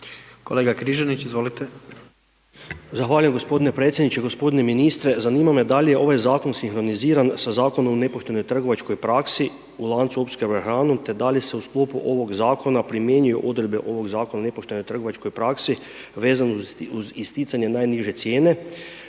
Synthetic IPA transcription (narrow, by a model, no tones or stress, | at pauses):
koleːɡakɾiʒanit͡ɕizʋolit̪e | zaxʋaːlujemɡo̞spo̞d̪ine̞pɾet̪sʲjed̪nit͡ʃe̞ɡo̞spo̞d̪ine̞minist̪ɾezaniːmamed̪alijeʔo̞ʋajzaːko̞nsinxɾo̞niziːɾansazaːko̞nomone̞po̞ʃt̪e̞nojt̪r̩ɡo̞ʋat͡ʃko̞jpɾaksi | ulˠaːnt̪suopskeaxɾaːnumt̪e̞d̪aljese̞usklˠoːpuʔo̞ʋo̞ɡzaːkʰo̞napɾimjeːnujo̰ʔo̞d̪ɾed̪beʔo̞ʋo̞ɡzaːko̞naone̞poʃt̪e̞no̞jt̪r̩ɡo̞ʋat͡ʃko̞jpɾaksi | ʋe̞ːzanuzist̪it̪saɲe̞naːjniʒe̞t̪sje̞ːne̞